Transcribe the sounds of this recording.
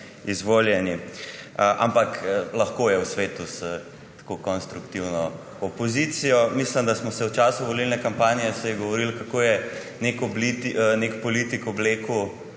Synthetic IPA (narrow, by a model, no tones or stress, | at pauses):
izʋoljɛni | ʔa̰mpaklɐxkojɛwsʋeːt̪uz̥ə | t̪ḁkokɔnst̪ɾukt̪iwnɔ | ɔpɔzit̪sijɔmisləmd̪asmɔsɛwt͡ʃaːsuʋɔlilnɛkampanijɛsɛjɛɡɔʋɔɾilkakojɛ | nekɔblit̪nekpɔlit̪ikɔbleːku